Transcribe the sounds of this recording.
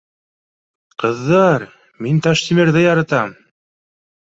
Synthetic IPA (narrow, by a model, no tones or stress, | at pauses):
qɤ̆ðːɑɾ | mint̪ɑʃt̪imɘ̆ɾðɘjɑɾɑt̪ɑm